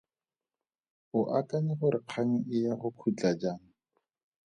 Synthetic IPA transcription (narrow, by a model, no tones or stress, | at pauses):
ʊʔakanɪχʊɾɪq͡χʰaŋ̩ʔɪjaχʊkʰut͡ɬad͡ʒaːŋ̩